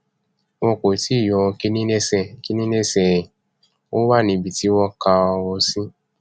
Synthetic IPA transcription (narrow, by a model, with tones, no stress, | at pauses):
wɔ̃˧ko˨ti˦˨jɔ˧ki˦nĩ˦ski˦nĩ˦ne˦sɛ˨ɛ˨ | o˦wa˦˨nĩ˧˨bi˨ti˨˦wɔ˦ka˧ɔ˧wɔ˧sĩ˦